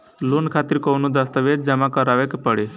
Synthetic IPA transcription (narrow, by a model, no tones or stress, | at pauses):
lunkʰat̪iɾkownud̪əst̪əʋed͡ʒd͡ʒəmakəɾaʋekpəɽe